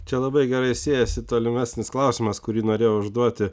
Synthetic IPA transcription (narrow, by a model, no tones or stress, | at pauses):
t͡ʃʲɛlˠɐbɐɪɡʲɛɾɐɪsʲeːjɛsʲɪt̪oːlʲɪmʲæsʲnʲɪsklˠɐʊsʲɪmɐskʊɾʲiːnoːɾʲeːjoʊʒd̪uɔt̪ʲɪ